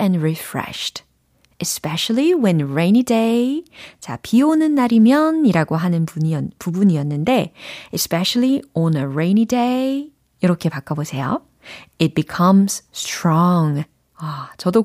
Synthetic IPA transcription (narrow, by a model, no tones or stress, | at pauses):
ɛ̃nɹifɹɛ̰ʃt | ɨspɛʃliwɛ̃nɹẽɪ̃nideɪt͡ɕa̰pʰionɯnːaɾimjʌniɾaɡoɦanɯnpuɲiʌpubuniʌnːɯnde̞espɛɕliɔ̃nəɹẽɪ̃nide | iɾʌkʰe̞pak͈ʰːʌbosʰe̞jo̰ | ɪt̚bikʰʌmz̥stʰɹɔŋ | ʌt͡ɕʌdo